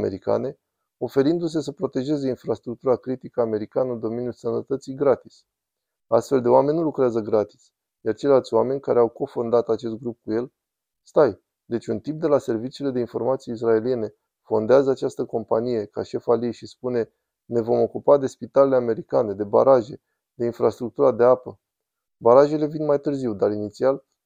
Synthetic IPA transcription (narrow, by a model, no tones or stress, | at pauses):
ḛɾika̰ne̞ | o̞fe̞ɾind̪us̬e̞s̬əpɾo̞t̪e̞ʒe̞ze̞infɾast̪ɾuk̚t̪uɾakɾit̪ikəame̞ɾikanənd̪o̞me̞njulsənət̪ət̪siɡɾat̪is | ast̪fe̞ld̪e̞oame̞nʲnulukɾeazəɡɾat̪i̥s | jart͡ʃe̞jlalt̪sʲwame̞nʲkaɾe̞awko̞fo̞nd̪at̪at͡ʃe̞s̬t̪̚ɡɾup̚kuje̞l | st̪aj | d̪e̞t͡ʃʲunt̪imp̚d̪e̞lase̞rvit͡ʃiule̞d̪e̞info̞rmat̪sieis̬rae̞lije̞ne̞ | fo̞nd̪eazəat͡ʃast̪əko̞mpa̰nije̞ka̰ʃe̞faljejʃispune̞ | ne̞vo̞mo̞kupad̪e̞spit̪ale̞le̞ame̞ɾikane̞d̪e̞ba̰ɾaʒe̞ | d̪̥e̞infɾast̪ɾuk̚t̪uɾad̪e̞apə | baɾaʒe̞le̞vinmajt̪ɨrziwd̪aɾinit̪sial